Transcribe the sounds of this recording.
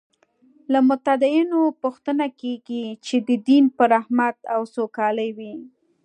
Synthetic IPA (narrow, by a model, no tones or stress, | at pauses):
lamʊt̪ad̪ɪinopʊxt̪ənakeɡit͡ʃed̪əd̪inpəɾahmat̪awsokɑləjwi